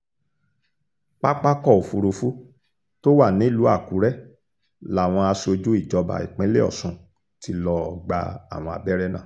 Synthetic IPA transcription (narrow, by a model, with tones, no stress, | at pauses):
k͡pa˦k͡pa˦kɔ˦˨o˨fu˨˧ɾo˧fu˦ | to˦wa˦˨nĩ˨˦i˦˨lu˨˦a˦˨ku˨˦ɾɛ˦ | la˨w̃ɔ̃˧a˧so˧d͡ʒu˦i˦˨d͡ʒɔ˧ba̰˧˨ḭ˨k͡pɛ̃˨˦le˦ɔ̰˦˨sũ˨ | ti˧lɔ˧˨ɡ͡ba̰˧a̰˨w̃ɔ̃˧a̰˧bɛ˦ɾɛ˦nã̰˦˨